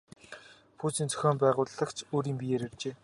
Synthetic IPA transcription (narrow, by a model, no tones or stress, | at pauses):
pʰuːt͡siːnt͡sʰœ̥xʲoːmpæːʁʊːɮə̆kt͡ɕʰoːɾiːmpʲijeɾert͡ɕeː